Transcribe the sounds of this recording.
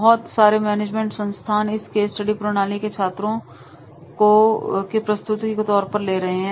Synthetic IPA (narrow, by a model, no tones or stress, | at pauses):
ɦɔt̪saːɾemɛːneːd͡ʒmẽːɳʈsɐ̃nst̪ʰaːnɪskeːsʈɐɖipɾoɽ̃aːliket͡ʃʰaːt̪ɾõ | kokepɾɐst̪ʊt̪ikot̪ɔːɾpɐɾleːɾɐɦeɦɛ̃